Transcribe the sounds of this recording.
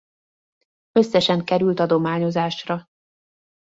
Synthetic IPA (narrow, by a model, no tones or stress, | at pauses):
ø̞sːɛʃɛŋkɛɾylt̪ɒd̪o̞maːɲo̞zaːʃrɒ